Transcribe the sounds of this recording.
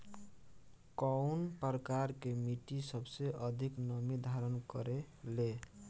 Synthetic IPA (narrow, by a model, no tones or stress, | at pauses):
kɔwnpʌɾkaɾkemiʈisʌbseʔʌd̪ʱiknʌmid̪ʱaɾʌnkʌɾe | le